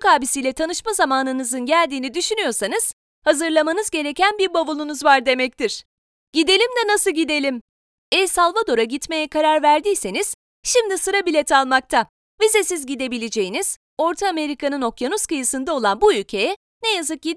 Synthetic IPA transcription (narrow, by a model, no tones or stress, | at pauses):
kaːbisijlʲɛt̪ʰanɯʃmazamaːnɯnɯzɯnɟælʲd̪iːnid̪yʃynyjo̞ɾsanɯz̥ | hazɯɾlˠamanɯzɟe̞ɾe̞cænbiɾbavulˠunuzvaɾd̪e̞mɛc̚t̪ʰiɾ̥ | ɟ̥id̪e̞lʲimd̪ɛnasɯlɟid̪e̞lʲim | ɛsalˠvad̪o̞ɾaɟit̪me̞jɛkʰaɾaɾvæɾd̪ijse̞niz̥ | ʃimd̪isɯɾabilʲɛt̪ʰalˠmak̚t̪ʰa | vize̞sizɟid̪e̞bilʲed͡ʒe̞jiniz̥ | o̞ɾt̪ʰaːme̞ɾikʰanɯno̞kjanuz̥kɯjɯsɯnd̪ao̞lˠanbuylʲcʰe̞jɛ | nejazɯk̚ɟi